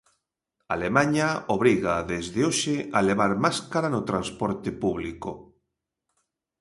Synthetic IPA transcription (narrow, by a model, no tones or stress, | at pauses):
a̰lemaɲaoβ̞ɾiɣaðezðeoʃealeβ̞aɾmaskaɾanot̪ɾanspoɾt̪epuβliko